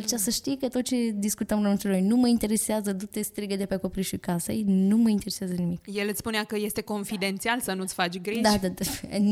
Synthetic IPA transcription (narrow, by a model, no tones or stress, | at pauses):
lt͡ʃasəʃt̪ijkət̪ot̪̚t͡ʃe̞d̪iskut̪əmɾomɨnt̪elojnuməint̪e̞ɾe̞seazəd̪ut̪est̪ɾiɡed̪epeako̞pɾiʃikasḛjnuməint̪e̞ɾeseazənimikjelɨt̪spuneakəje̞st̪e̞ko̞nfid̪e̞nt̪sialsənut̪sʲfat͡ʃɡɾid̪ad̪a